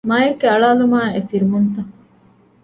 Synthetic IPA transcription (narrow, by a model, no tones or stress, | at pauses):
maːjekːeɐɭaːlumaːefiɾuɦunt̪ɐŋ